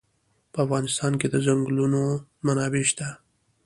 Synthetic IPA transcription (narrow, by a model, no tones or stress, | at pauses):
pəafɣɑnɪst̪ɑnked̪əzaŋɡlunomanɑbeʃt̪a